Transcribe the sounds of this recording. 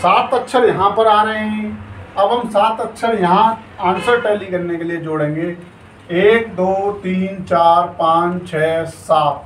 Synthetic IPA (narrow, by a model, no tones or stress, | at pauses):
saːt̪ɐtːʃʰəɾjɐɦãpɐɾaːɾɐɦeɦɛ̃ɐbɦɐmsaːt̪ɐtːʃʰəɾjɐɦã | ãːnsəɾʈɛːlikɐɾnekelied͡ʒoːɽẽːŋ̆ɡeː | eːk̚d̪oːt̪iːnt͡ʃaːɾpãːt͡ʃt͡ʃʰɛːsaːt̪̚